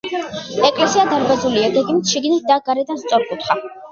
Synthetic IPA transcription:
ɛkʼlɛsiad̪aɾbazuliaɡɛɡimit̪ʰʃiɡnit̪̚ʰd̪aɡaɾɛd̪anst̪sʼɔɾkʼut̪ʰχa

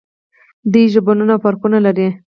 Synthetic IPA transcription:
d̪uʒɪbonunafaɾkunalaɾi

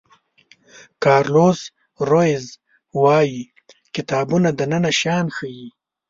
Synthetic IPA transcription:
kɑːɾloːz | ɾoɪz | wɑːji | kɪt̪ɑːbunad̪ənənaʃɑːnxəji

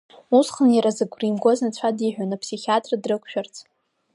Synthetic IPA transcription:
usχənjaɾazɨɡʷrimɡʷoznat͡sʷʰadiħᶣʷanapʰsiχʲiatʼrdrɨkʷʰʃᶣart͡sʰʼ

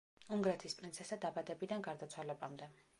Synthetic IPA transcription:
uŋɡɾɛt̪ʰispʼɾinsʰɛsad̪abad̪ɛbid̪anɡaɾd̪at̪sʰwalɛbamd̪ɛ

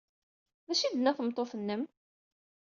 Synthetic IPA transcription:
ðæʃid̪ənæθəmt̪ˤːoθənːəm

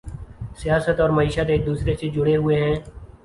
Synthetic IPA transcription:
sɪjaːsət̪ɔːɾməiːʃət̪eːd̪uːsɾesed͡ʒʊɽeɦʊeɦɛ̃ː

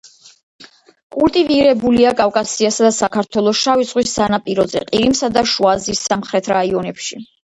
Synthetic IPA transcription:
kʼulˠt̪ʼiviɾɛbuliakʼavkʼasiasad̪asakʰaɾt̪ʰwɛlˠɔʃaviz̥ʁwisːanapʼiɾɔzɛ̰qʼiɾimsad̪aʃuazisːamχɾɛt̪ʰɾaiɔnɛpʃi

